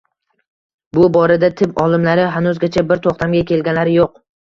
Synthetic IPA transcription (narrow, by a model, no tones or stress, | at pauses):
bʊbɒɾad̪at̪ʰɪpɒlˠɪmlaɾɪɦanʊzɡʲat͡ʃʰabɪɾt̪ʰoχt̪ʰamɡʲakʲʰe̞lɡʲanlaɾɪjoq̚